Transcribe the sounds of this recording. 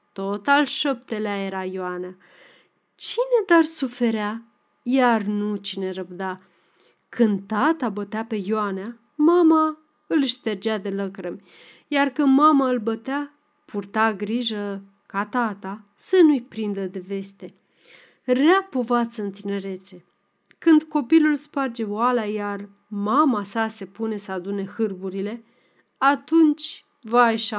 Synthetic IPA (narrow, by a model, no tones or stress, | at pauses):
t̪ot̪alʃəp̚t̪eleaje̞ɾajoanea | t͡ʃine̞d̪arsufe̞ɾea | jarnut͡ʃine̞ɾəbd̪a | kɨnd̪t̪at̪abət̪eape̞janea | mama | ɨlʃt̪e̞rd͡ʒad̪e̞ləkɾəmʲ | jarkɨnd̪mamaɨlbət̪ea | pʰurt̪aɡɾiʒə | kat̪at̪asənujpɾind̪əd̪e̞ve̞st̪e̞ | reapo̞vat̪sɨnt̪ine̞ɾe̞t̪se̞ | kɨnd̪ko̞pilulspard͡ʒe̞walajar | mamasase̞pune̞səad̪une̞hɨrbuɾile̞ | at̪unt͡ʃʲ | vaːjʃa